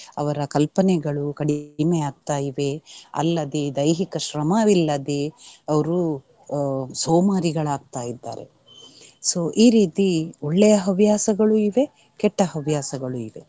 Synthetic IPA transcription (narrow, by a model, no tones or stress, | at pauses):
ɐʋɐɾɐkɐlpɐnɛɡɐɭukɐɽimeaːɡ̚t̪aːjiʋe̞ɐ̰lːɐd̪ed̪ɐjɦikɐʃɾɐmaːʋilːɐd̪eɐʋɐɾu | soːmaːɾiɡɐɭaːɡ̚t̪aːjid̪ːa̰ːɾe̞̰ | soːʔiːɾiːt̪iɔɭːɛjɐɦɐʋjaːsɐɡɐɭuiʋe̞ | kɛʈːɐɦɐʋjaːsɐɡɐɭuiʋe̞